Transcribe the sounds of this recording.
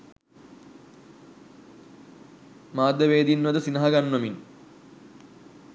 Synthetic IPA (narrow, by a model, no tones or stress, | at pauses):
maːd̪ʱːɐʋeːd̪inʋɐd̪ɐsinɐɦɐɡɐnːɐmin